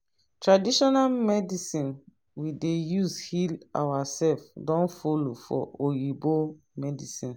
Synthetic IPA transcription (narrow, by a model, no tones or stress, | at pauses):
tɹadiʃɔnamɛdisĩn | widejuzhila̰wasɛlfdɔ̃nfolofɔ̰ojibo | mɛdisĩn